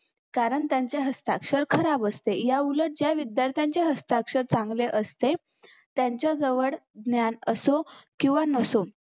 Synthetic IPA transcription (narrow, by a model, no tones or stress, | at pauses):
kaɾəɳt̪jaɲt͡ɕjeɦəst̪akʂəɾkʰəɾabəst̪ejauləʈ̚d͡ʑjaʋid̪jaɾt̪jãɲt͡ɕeɦəst̪akʂəɾt͡sãŋɡleʔəst̪e | t̪jaɲt͡ɕad͡zəʋəɽɡ̪njanəsokĩw̃ʋanəso